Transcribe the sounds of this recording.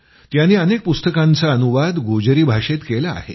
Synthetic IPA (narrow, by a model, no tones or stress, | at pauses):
t̪janːiːənek̚pust̪əkãnt͡saənuʋad̪ɡod͡ʑəɾiːbʱaʂet̪kela̰ːɦḛ